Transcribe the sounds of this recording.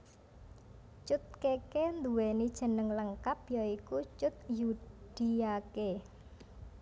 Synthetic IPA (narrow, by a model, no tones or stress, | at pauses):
t͡ʃʊt̪̚kekend̪uwenid̥ʒ̥ə̤nəŋləŋkap̚jɔikut͡ʃʊt̪̚jud̪̥i̤ake